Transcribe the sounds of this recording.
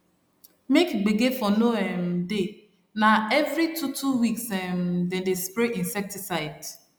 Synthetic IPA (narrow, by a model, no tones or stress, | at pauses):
mekɡ͡beɡefɔnoɛmde | naɛvɾitʰutʰuwiksɛmdɛ̃ndespɹeʔĩnsɛk̚tisaɪd